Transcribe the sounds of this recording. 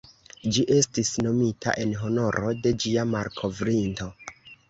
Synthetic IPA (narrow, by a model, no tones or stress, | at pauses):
d͡ʒiʔe̞stisno̞mitʰa̰ʔe̞nɦo̞no̞ɾʔo̞de̞d͡ʒiamaɾkʰo̞vɾinto̞